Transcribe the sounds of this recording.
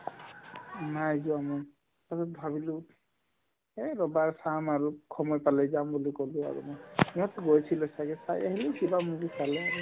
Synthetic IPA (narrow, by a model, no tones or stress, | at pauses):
najzɔamɔ | asɛbʱabilu | eɹɔbaɹsamaɹukʰɔmɔjpalɛzambulikɔlua̰ɹṵmɔmiɔtɔɡojsʰilɔsaɡɛsaja̰ɦilukibamuɡisalɛaɹu